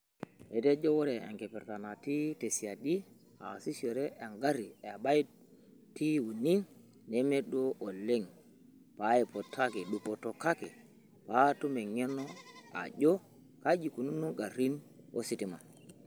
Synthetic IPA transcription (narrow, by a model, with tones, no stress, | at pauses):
e˨te˦d͡ʒo˦wo˦ɾe˨ḛ˨ŋke˨pe˨ɾta˨na˨ti˦te˨si˨a˨di˦ | a̰˨si˦so˨ɾe˦ʔe˨ŋɡa˦ɾi˨e˨a˨ba˦i˦ | ti˦wu˨ni˦n | ne˨˦me˦do˦ʔo˨lːe˦ŋ | pa˦e˨po˨tʰa˦ke˨ɗu˨po˨to˨ka˦ke˨ | pa˨˦tu˦me˨ŋe˦no˦a̰˨d͡ʒo˦ | ka˦d͡ʒi˨ku˨nu˦nːu˦ŋɡa˨ɾi˦no̰˦si˦ti˨ma̰˨